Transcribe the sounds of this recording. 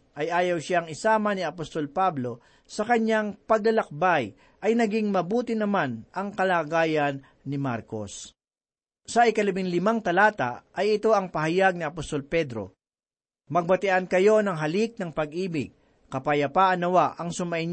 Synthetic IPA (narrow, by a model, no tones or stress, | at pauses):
ʔɐjʔaːjɐwʃaŋɪsaːmɐniɐpost̪o̞lpablo̞ | sɐkɐɲaŋpɐɡ̚lɐlɐk̚baj | ʔɐjnɐɡiŋmɐbuːt̪ɪnɐmanʔɐŋkɐlaːɡaːjɐnː | ɪma̰ɾko̞̰s | sɐʔɪkɐlɐbɪŋlɪmaŋt̪ɐlaːt̪a̰ʔɐjɪt̪o̞ʔɐŋpɐɦɐjaɡ̚nɪɐpost̪o̞lpɛd̪ɾo̞̰ | mɐɡ̚bɐt̪ɪʔɐnkɐjo̞nɐŋɦɐlik̚nɐŋpɐɡʔiːbɪɡ̚ | kɐpɐjɐpaʔɐnːɐwaʔɐŋsʊmɐʔɪn